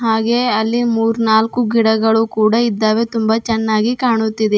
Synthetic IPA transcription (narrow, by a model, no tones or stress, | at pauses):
ɦaːɡe̞ːɐlːimuːɾnaːlkuɡiɽɐɡɐɭukuːɽɐid̪ːaːʋet̪umbɐt͡ʃɛnːaːɡikaːɳut̪ːid̪e